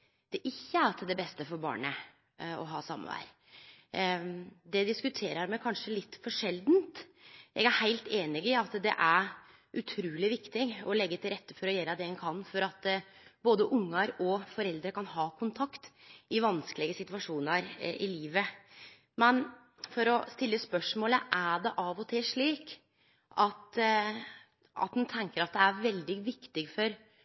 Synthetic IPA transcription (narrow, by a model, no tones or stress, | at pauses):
d̪̥ɛʔɪçːəæɾt̪ʰɪld̪ɛbɛst̪əfɔɾbɑ̰ːɳə | ɔ̰ɦɑːsɑ̰mːə̰ʋæ̰ɾ | d̪ɛd̪ɪskʉt̪ʰeːɾəɾmɛɪkʰɑnʂəlɪt̪ːfɔʂɛld̪nt̪jɛ̰ɡæɾhæɪlt̪eːnɪɡɪɑt̪d̪ɛ̰ʔæɾ | ʉt̪ʰɾuːlɪʋɪkt̪ɪɔlɛɡːət̪ʰɪlɾɛt̪ːəfɔɾɔjɛːɾəd̪ɛɛnkʰɑnːfɔɾɑt̪boːd̪əʔʊŋːɑɾɔfɔɾɛld̪ɾəkɑnɦɑːkʰʊnt̪ʰɑkt̪ɪʋɑnskəlɪɡəsɪt̪ʉʋɑʂuːnəɾʔɪliːʋə | mɛn | fɔɾɔst̪ɪlːəspœʂmoːləʔæɖɛʔɑʋɔt̪ʰɪʂɭiːk | ʔɑt̪ | ʔɑ̰t̪d̪ʉnt̪ʰɛŋkəɾɑt̪̚d̪ɛæɾʋɛld̪ɪʋɪkt̪ɪɡfɔɾ